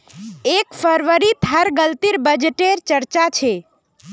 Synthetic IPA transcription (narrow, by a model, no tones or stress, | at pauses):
ekfəɾʋəɾit̪ʰəɾɡəlt̪iɾbəd͡ʒeʈeɾt͡ʃəɾt͡ʃat͡ʃʰe